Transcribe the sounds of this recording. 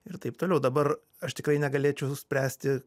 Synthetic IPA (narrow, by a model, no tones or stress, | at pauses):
ɪɾt̪ɐɪpt̪oːlʲɛʊd̪ɐbɐr | ɐʃt̪ʲɪkrɐɪnʲɛɡɐlʲeːt͡ʃʲɛʊsʊsʲpʲɾʲæːsʲt̪ʲɪ